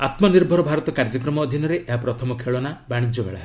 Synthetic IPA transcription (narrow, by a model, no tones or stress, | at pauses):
at̪mɔniɾbʱɔɾɔbʱaɾɔt̪ɔkaɾd͡ʒɔkɾɔmɔːd̪ʱinɔɾeʔeɦapɾɔt̪ʰɔmɔkʰeɭɔnabaɽ̃id͡ʒɔbḛɭa̰ɦe